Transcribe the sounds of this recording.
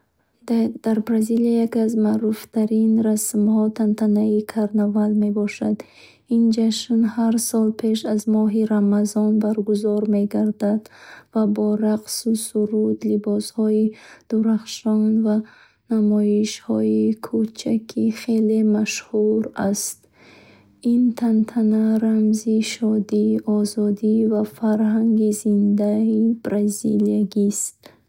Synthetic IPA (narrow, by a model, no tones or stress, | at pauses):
d̪̥aɾbɾaziliajakiazmaʔɾuft̪ʰaɾinɾasmhɔt̪ʰant̪ʰanaikʰaɾnavalme̞bɔʃad̪ | ind͡ʒaʃnhaɾsɔlpʰe̞ʃazmɔɦiɾamazɔnbaɾɡuzɔɾme̞ɡaɾd̪ad̪vabɔɾaqsusuɾud̪libɔshɔid̪̥uɾaχʃɔnva | namɔiʃhɔikʰut͡ʃʰakʰiχe̞le̞maʃhuɾast̪ | int̪ʰant̪ʰanaɾamziʃɔd̪iʔɔzɔd̪ivafaɾɦaŋɡizind̪aib̥ɾaziliaɡist̪